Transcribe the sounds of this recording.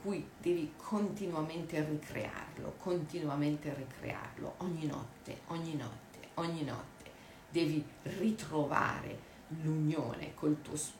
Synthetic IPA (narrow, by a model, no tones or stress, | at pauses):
kujd̪ɛːvikʰont̪inwament̪erikʰɾḛa̰rlo̰kʰont̪inwament̪erikɾḛa̰rlo̰ʔɔɲːinɔ̰t̪ːḛɔɲːinɔ̰tt̪ːe̥ɔɲːinɔ̰t̪ʰːe̥ | d̪ɛːvirit̪ɾova̰ːɾḛ | luɲjo̰ːnḛkʰoilt̪uːos